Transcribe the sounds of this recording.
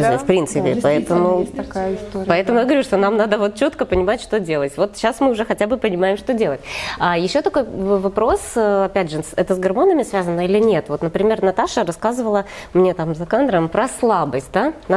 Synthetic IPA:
zafpɾʲint̪sɨpʲɪpɐɛt̪əmʊɐkajɪst̪opɐɛt̪əmʊjaɡəvɐɾʲuʂt̪o̞namnad̪əvo̞t̪̚t͡ɕo̞t̪kəpənʲɪmatʲʂt̪o̞dʲelˠətʲvo̞t̪ɕːasmɨʊʐɛxɐtʲabɨpənʲɪmajɪmʂt̪o̞dʲe̞lˠətʲajɪɕːo̞t̪ɐko̞jvɐpɾo̞sɐpʲædʲʐɨɛt̪əsɡɐrmo̞nəmʲɪsvʲæzənːəilʲɪnʲe̞t̪vo̞t̪nəpɾʲɪmʲe̞rnɐt̪aʂəɾɐskazɨvəlˠə | mnʲe̞t̪amzɐkand̪ɾəmpɾɐslˠabəsʲt̚ʲd̪an

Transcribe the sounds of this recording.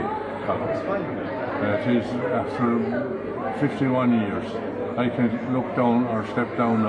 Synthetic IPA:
kʰʌlə | ðæɾɪzæftə˞ | fɪftiwʌ̃njɪɹz | aɪkʰɨ̃nlʊk̚d̥ãʊ̃nə˞stɛp̚d̥ãʊ̃n

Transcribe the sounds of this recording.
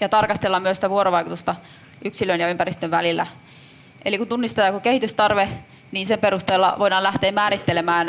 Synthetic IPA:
jɑt̪ɑrkɑst̪elːɑmyøsit̪æʋuoɾoʋɑikut̪ust̪ɑ | ʔyksilønjɑympæɾist̪øʋʋælilːæ̰ | ʔelikunt̪unːist̪et̪ɑɑkukehit̪yst̪ɑrʋe | niːnsemperust̪eːlːɑ̰ʋoidɑːlæht̪eːmmæːɾit̪ːelemæːn

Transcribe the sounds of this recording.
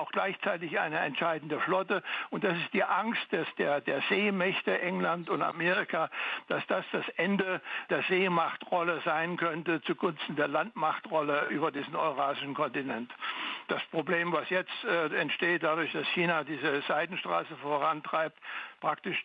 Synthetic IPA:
aʊxɡ̥laɪçt͡saɪt̬ɪçʔa̰ɪnəɛ̰ntʃaɪdn̩dəflɔtəʊntd̥asɪst̚d̥iːʔaŋst̚d̥ɛsd̥eːɐdeːɐzeːmɛçtəʔɛŋlantʊnta̰meːʁɪkad̥asd̥asd̥asʔɛndəd̥eːɐzeːmaχtʁɔləzaɪnkʰœntət͡suɡʊnstn̩deːɐlantmaχtʁɔləʔyːbɐdiːzn̩ɔ̰ʏʁaːʒɪʃn̩kʰɔntinɛntd̥aspʁ̥obleːmvasjɛt͡stɛɛntʃteːt̚d̥adʊɐçd̥asçiːnadiːzəzaɪdn̩ʃtʁ̥a̰ːsəfoːʁantʁ̥aɪp̚tpʁ̥aktɪʃ

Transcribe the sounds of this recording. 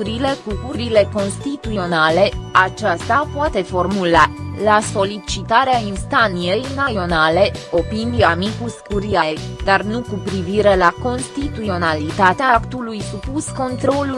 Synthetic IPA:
ɾile̞kukuɾile̞ko̞nst̪it̪uo̞nale̞at͡ʃast̪apoat̪e̞fo̞rmulalaso̞lit͡ʃit̪aɾeainst̪anije̞jnaio̞nale̞o̞piniamikuskuɾiad̪arnukupɾiviɾe̞lako̞nst̪it̪uo̞nalit̪at̪eakt̪ulujsupusko̞nt̪ɾo̞lu

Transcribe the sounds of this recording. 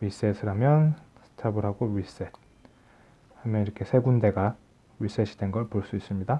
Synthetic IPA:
ɥis͈esʰɯɾamjʌn | sʰɯ̥tʰabɯɾɦaɡoɾis͈et̚ | hamjʌniɾʌkʰe̞sʰe̞ɡunde̞ɡa | ɥis͈eɕʰid̥enɡʌɭpoɭs͈uis͈ɯmɲida

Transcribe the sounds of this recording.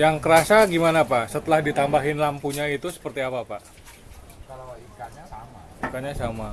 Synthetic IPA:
jaŋkəɾasaɡimanapasət̪əlahdit̪ambaɦɪnlampuɲait̪usə̥pərt̪iapapa | kalikaɲaamaikaɲasama

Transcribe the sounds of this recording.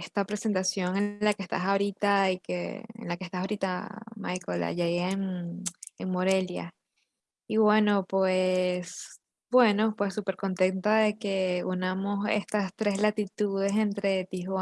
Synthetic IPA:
est̪apɾe̞se̞nt̪asjo̞ŋenlakest̪a̰saoɾit̪aikḛḛnlake̞st̪asaoɾit̪ama̰jkola̰ʝaieŋ | eŋmo̞ɾe̞lja̰ | iβwe̞no̞pwes | bwe̞no̞pwe̞sːupe̞ɾko̞nt̪e̞nt̪aðe̞ke̞unamo̞se̞̰st̪ast̪ɾe̞slat̪it̪uð̞e̞se̞nt̪ɾe̞t̪ihwa

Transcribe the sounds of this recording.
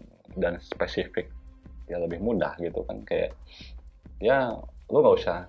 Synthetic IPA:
danspesifɪk̚jaŋləbɪhmuda̰hɡit̪uka̰nkaja̰ʔ | jaluŋɡausaha

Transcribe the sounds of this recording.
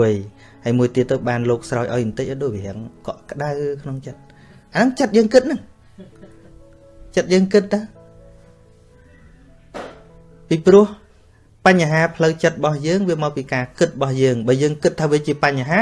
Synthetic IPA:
əj | haəjmuəjt̪iət̪ːəwɓaːnloːk̚srawjʔaɔjʔnt̪ɨc̚ʔaɗoːc̚ɦɛ̆əŋkɑʔkə̆ɗawkʰnoŋt͡ɕət̪̚ | ʔanɨŋt͡ɕət̪̚jəːŋkɨt̪̚nɨŋ | t͡ɕət̪̚jəːŋkɨt̪̚ʰːa | piːprŭəh | paɲːaɦaːpʰləwt͡ɕət̪̚ɓɑhjəːŋʋiəmaːpiːkaːkɨt̪̚ɓɑhjəːŋɓaːjəːŋkɨt̪ʰːaːʋiət͡ɕiəpaɲːaɦaː

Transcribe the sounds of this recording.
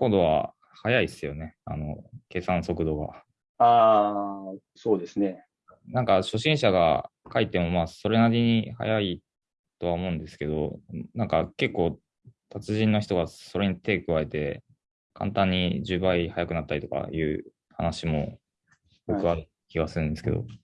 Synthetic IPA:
ko̞nd̪o̞βa̰ | hajaisɨjo̞ne̞a̰no̞ke̞ːsãɰ̃so̞kɯ̟d̪o̞ːɡa̰ | aː | soːd̪esɨne̞ | nãŋkaɕo̞ɕĩɰ̃ɕaɡa̰kait̪e̞mo̞maːso̞ɾe̞naɾʲiɲ̟iha̰jai | t̪o̞βaomo̞ːɯ̃nd̪e̞sɨ̥ke̞d̪o̞̰nãŋkake̞kːo̞ː | t̪ʰat͡sɨʑĩnːo̞çi̥t̪o̞ɡaso̞ɾe̞ɲ̟it̪e̞ːkɯae̞t̪e̞ | kʰã̰nt̪ãɲ̟ːid͡ʑɨːbaihajakɯ̟nat̪ːaɾʲit̪o̞ka̰jɯ̟̰ː | ha̰naɕimo̞̰ | ɡokɯ̟aɾɯ̟ | kʲiɡasɨɾɯ̟nd̪esɨ̥ked̪o̰

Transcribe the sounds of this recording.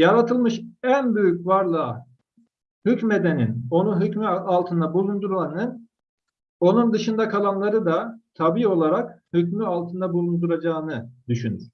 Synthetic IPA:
jaɾat̪ʰɯlˠmɯʃænbyjycvaɾlˠɯ | hycme̞d̪ɛnino̞nuɦycmyalˠt̪ʰɯnd̪abulˠund̪uɾlˠanɯn | o̞nund̪ɯʃɯnd̪akʰalˠanlˠaɾɯd̪at̪ʰabiːo̞lˠaɾakhycmyalˠt̪ʰɯnd̪abulˠund̪uɾad͡ʒaːɯnɯd̪yʃynyɾ̥

